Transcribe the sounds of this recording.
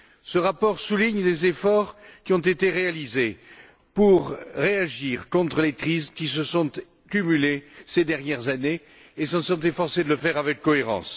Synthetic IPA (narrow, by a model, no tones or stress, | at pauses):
səʁapɔʁsuliɲd̪ezefɔʁkʲiɔ̃t̪et̪eʁealize | puʁːeaʒiʁkɔ̃t̪χəlet̪χizkʲisəsɔ̃t̪ | kʲymylesed̪ɛʁnjɛʁzane | esɑ̃sɔ̃t̪efɔʁsed̪ələfɛʁavɛkːɔeʁɑ̰̃s